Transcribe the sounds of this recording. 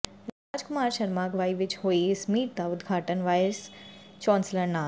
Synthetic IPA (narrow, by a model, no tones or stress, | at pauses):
ɾad͡ʒkumaɾʃəɾmaɡʋaiʋit͡ʃhoismiːʈ̚d̪aud̪ɡʱaʈənʋajst͡ʃɔ̃nsləna